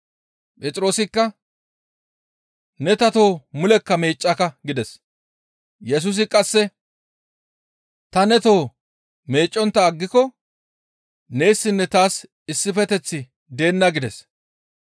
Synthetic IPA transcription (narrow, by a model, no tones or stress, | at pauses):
pʼɛt͡sʼɪɾo̞ːsɪkːɐ | nɛt̪ɐt̪o̞ːmʊlɛkːɐme̞ːt͡ʃʼːɐkɐɡɪd̪ɛs | jɛs̬ʊs̬ɪkʼɐsːɛ | t̪ɐnɛt̪o̞ː | me̞ːt͡ʃʼːɔnt̪ːɐːɡːɪkɔ | ne̞ːsːɪnːɛt̪aːs | ɪsːɪfɛt̪ɛt͡sːɪ | d̪e̞ːnːɐɡɪd̪ɛs